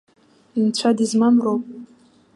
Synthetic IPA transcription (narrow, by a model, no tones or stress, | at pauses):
int͡ɕʷʰadizmamrowpʼ